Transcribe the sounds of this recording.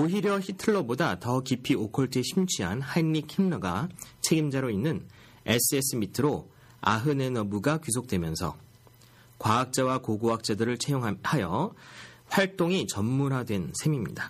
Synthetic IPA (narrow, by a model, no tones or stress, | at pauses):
oɦiɾjʌçitʰɯɭːobodatʌkipʰiokʰʌɭtʰeɕʰimt͡ɕʰiɦa̰nhainːikʰimnʌɡat͡ɕʰe̞ɡimd͡ʑaɾoinːɯn | e̞s͈ʰɯe̞s͈ɯmitʰɯɾo | a̰ɦɯne̞nʌmuɡakus̬ʰok̚t͈we̞mjʌnsʰʌ̰ | kwaːk̚t͡ɕ͈awakoɡoak̚t͡ɕ͈adɯɾɯɭt͡ɕʰejoŋhajʌ | ɸwaɭt͈oŋit͡ɕʌmːuɾadwe̞nsʰe̞mimɲḭda